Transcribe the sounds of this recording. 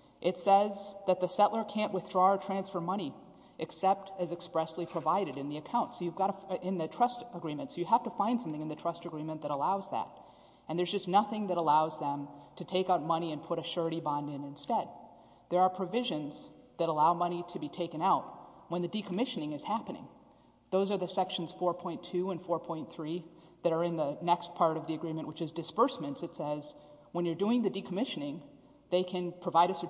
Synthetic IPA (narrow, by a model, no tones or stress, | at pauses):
ʔɨtsɛzðɨt̪̚ðɨsɛʔlˠə˞kʰæ̃nʔwɨθdɹɔə˞tʰɹ̥æ̃nsfə˞mʌɾ̃i | ʔɨksɛp̚tɨzɨkspɹɛslipʰɹ̥ɨvaɪɾɨɾɨ̃nðiɨkʰãʊ̃ntsoʊjɨvɡɑɾəɪ̃nðɨtʰɹ̥ʌstəɡɹĩmɨ̃ntsoʊjɨɦæftɨfãɪ̃nd̥sʌ̃mθɪ̃ŋɨ̃nðɨtʰɹ̥ʌstɨɡɹĩmɨ̃nðɨɾəlaʊzðæ̰ɾ | ɨ̃nðə˞zd͡ʒʌstⁿnʌθɪ̃ŋðɨɾəlaʊzðə̃mtʰɨtʰeɪkaʊt̚mʌñiɨ̃npʰʊɾɨʃɜ˞ɾibɑ̃ndɨ̃nɨ̃nstɛd̪̚ | ðə˞ːpʰɹ̥ɨvɪʒɨ̃nz̥ðɨɾəlaʊmʌñiɾɨbitʰeɪkɨ̃naʊt̚wə̃nðɨdikʰəmɪʃɨnɪ̃ŋɨz̥hæpənɪ̰̃ŋ | ðoʊzə˞ðɨsɛkʃn̩z̥fɔɹpʰɔ̃ɪ̃ntʰʉə̃nfɔɹpʰɔ̃ɪ̃nθɹi | ðɨɾə˞ɨ̃nðɨnɛkspʰɑɹɾʌvðiɨɡɹĩmɨ̃nʔwɨt͡ʃɨzdɨspɜ˞smɨ̃ntsɨtsɛz | wə̃njə˞dʉɪ̃ŋðɨdikʰəmɪʃɨnɪ̃ŋ | ðeɪkʰɨ̃npʰɹ̥ɨvaɪɾɨsə